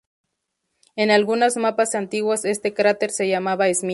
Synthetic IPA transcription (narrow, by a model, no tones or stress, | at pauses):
e̞nalɣunazmapasant̪iɣwase̞st̪e̞kɾat̪e̞ɾse̞ʝamaβaezmi